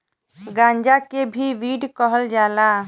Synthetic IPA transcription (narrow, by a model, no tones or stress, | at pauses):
ɡãːɲd͡ʒakebʱiʋiːɖkəɦəld͡ʒaːla